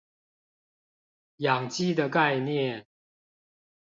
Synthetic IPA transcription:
jɑ˨˩ŋt͡ɕi˥d̪ə˨ka˥˧ɪnjɛ˥˨n

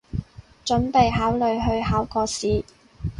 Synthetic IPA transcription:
t͡ʃɵ˨˥npe˨jɦaː˨˥wlɵ˨ɥɦɵ˧ɥhaː˨˥wkɔː˧siː˨

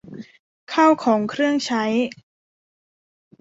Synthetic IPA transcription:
kʰa˥˩wkʰɔː˩˦ŋkʰɾɯ˥˩əŋt͡ɕʰa˦˥j

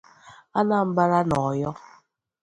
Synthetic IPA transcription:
a˦na˨m̩˦ba˦ɾa˦nɔ˨jɔ˦

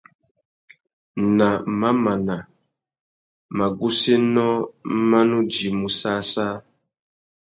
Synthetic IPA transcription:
na˨ma˦ma˨na˨ | ma˨ɡu˦se˦nɔ̃˦ma˦nũ˦d͡ʒi˨mu˨sa˦sa˦

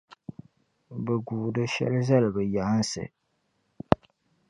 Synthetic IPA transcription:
bɛ˨ɡuː˨dɨ˦ʃɛ̰˦lza˦lbɨ˨ja˨˦nsɨ̰˨

